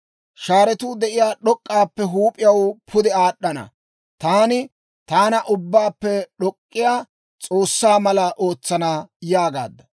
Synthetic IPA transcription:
ʃaːɾɛt̪uːd̪ɛʔɪjaːɗɔkʼːaːpːɛɦuːpʼɪjɐwpʰʊd̪ɛaːɗːɐnɐ̰ | t̪aːnɪ | t̪aːnɐʔʊbːaːpːɛɗɔkʼːɪjaː | t͡sʼo̞ːsːaːmɐlɐʔo̞ːt͡sːɐnaːjaːɡa̰ːd̪ːɐ

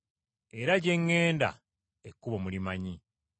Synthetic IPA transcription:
e̞ɾaɟe̞ŋːe̞ːnda̰ | ekːuβomulimaɲi

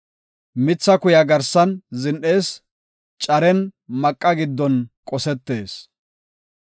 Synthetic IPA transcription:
mɪt͡sːɐkʊjɐɡɐɾsɐnzɪnʔe̞ːs | t͡ʃʼɐɾɛnmɐkʼːɐɡɪd̪ːɔnkʼɔsɛt̪ːe̞ːs

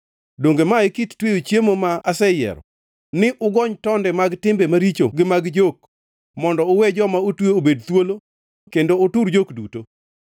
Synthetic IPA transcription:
doŋɡemaɪkittwejot͡ʃjemomaasɛjɛ̰ɾɔ̰ | nɪʔʊɡɔɲtɔndɛmaɡtɪmbemaɾit͡ʃoɡɪmaɡd͡ʒok̚ | mɔndɔʊwɛd͡ʒɔmaotweobedt̪wolo | kendoːtuɾd͡ʒokduto

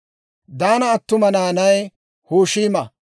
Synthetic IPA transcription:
d̪aːnɐːt̪ːʊmɐnaːnɐj | huːʃiːmɐ

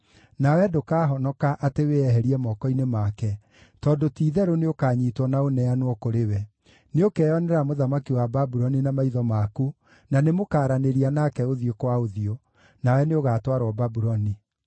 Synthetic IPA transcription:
nawɛdokaɦɔnɔkaʔateweɛɦɛɾiɛmɔkɔinemakɛ | tɔdotiːðɛɾoneokaːɲiːtwɔnaonɛanwɔkoɾewɛ | neokɛːɔnɛɾamoðamakiwababuɾɔninamaiðɔmaku | nanemokaːɾaneɾianakɛoðiokwaoðiɔ | nawɛneoɣaːtwaɾwɔbabuɾɔni

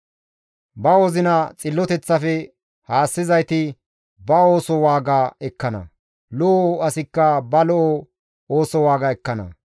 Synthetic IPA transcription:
bɐɔzɪnɐt͡sʼɪlːɔt̪ɛt͡sːɐfɛ | haːsːɪzɐjt̪ɪ | bɐoːsɔwaːɡaːɛkːɐnɐ̰ | lɔʔɐsɪkːɐbɐlɔʔo | oːsɔwaːɡaɛkːɐnɐ̰

